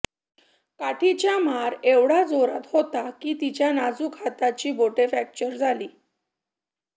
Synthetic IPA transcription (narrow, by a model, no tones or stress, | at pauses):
kaʈʰit͡ɕjamaɾeʋɽ̤ad͡zoɾat̪hot̪akiːt̪it͡ɕjanad͡zuːkʰat̪at͡ɕiːboʈefæk̚t͡ɕəɾd͡zʱaliː